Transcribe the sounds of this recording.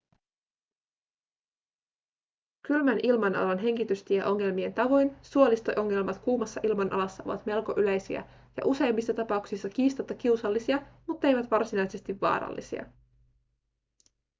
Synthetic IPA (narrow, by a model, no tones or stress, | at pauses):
kylmænʔilmɑnʔɑ̰lɑnɦe̞ŋkit̪yst̪iæʔo̞ŋːe̞lmie̞nt̪ɑʋo̞jnsuolist̪ojʔo̞ŋːe̞lmɑt̪kuːmɑsːɑʔilmɑnʔɑ̰lɑsːɑo̞̰ʋɑ̰t̪me̞lko̞ʔylejsiæ̰ | jɑ̰ʔuse̞jmːisːɑt̪ɑpɑuksisːɑk̟iːst̪ɑt̪ːɑk̟iwsɑlːisiɑmut̪ːe̞jʋæt̪ʋɑrsinɑjse̞st̪iʋːɑ̰ːɾɑ̰lːḭsḭɑ̰